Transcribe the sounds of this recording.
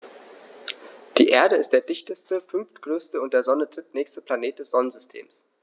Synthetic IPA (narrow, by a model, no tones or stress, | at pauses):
d̥ḭːʔeːɐɾəɪst̚d̥eːɐdɪçtəstəfʏnftɡ̥ʁøːstəʊntd̥eːɐzɔnətdʁ̥ɪtnɛːçstəplaneːt̚d̥ɛsz̥ɔnənzʏstʰḛːms